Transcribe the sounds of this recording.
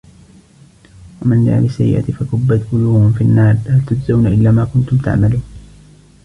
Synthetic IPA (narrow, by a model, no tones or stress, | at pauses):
wamanla̰ʕlɪsːajɪ̰ʔa̰t̪fakʊbːat̪ɡʊluːhʊmfinːaːɾlalt̪ʊd͡ʒzawnaʔɪlːaːmaːkʊnt̪ʊmt̪a̰ʕmaluːn